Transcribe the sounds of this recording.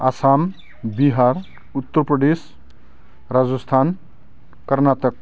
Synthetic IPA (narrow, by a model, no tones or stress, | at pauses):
asam | biɦar | ut̪ːʌrprʌd̪es | rad͡zʌst̪ʰan | kʌrnat̪ʌk̚